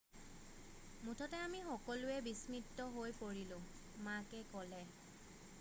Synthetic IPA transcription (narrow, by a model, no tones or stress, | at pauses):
mutʰɔtɛamixɔkɔlʊɛbismitːɔɦojpoɹilʊ̃ | makɛkɔlɛ